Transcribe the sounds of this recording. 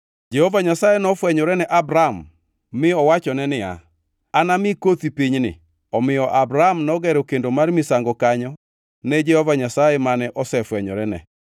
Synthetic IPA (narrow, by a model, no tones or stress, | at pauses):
d͡ʒɛhovaɲasajɛnɔfwɛɲɔɾɛnɛʔabɾamː | ɪɔwat͡ʃɔnɛnɪa̰ | anamɪkot̪ipiɲnɪ̰ | ɔmɪjɔʔabɾamnɔɡɛɾokendomarmɪsaŋɡɔkaɲɔ | nɛd͡ʒɛhɔvaɲasajɛmanɛʔɔsɛfwɛɲɔ̰ɾɛnɛ̰